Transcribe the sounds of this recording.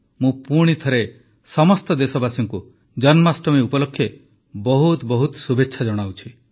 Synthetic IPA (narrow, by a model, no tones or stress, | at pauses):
mũpuɽ̃it̪ʰɔɾe | sɔmɔst̪ɔd̪esɔbasɔŋku | d͡ʒɔnmasʈɔmeupɔlɔkʰːje | bɔɦut̪bɔɦut̪subetːʃʰad͡ʒɔɽ̃awt͡ʃʰi